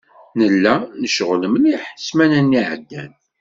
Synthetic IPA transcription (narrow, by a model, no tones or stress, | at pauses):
nəlːænəʃʁləmniħə̥smænænːiʕə̰d̪ːæn